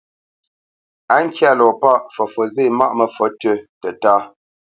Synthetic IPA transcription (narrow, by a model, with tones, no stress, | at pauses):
a˦ŋ̩˦kja˦˨lɔ˨pa˦ʔfɔ˨fɔ˨ze˦˨ma̰˦ʔmə˨fɔ˨˦tə˦tə˨taː˦